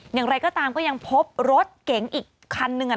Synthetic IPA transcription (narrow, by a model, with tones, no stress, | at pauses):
jaː˨˩ŋɾa˧jkɔː˥˩t̪aː˧mkɔː˥˩ja˧ŋpʰo˦˥p̚ɾo˦˥t̪̚ke˩˦ŋʔiː˨˩kʰːa˧nːɯ˨˧ŋʔa˨˩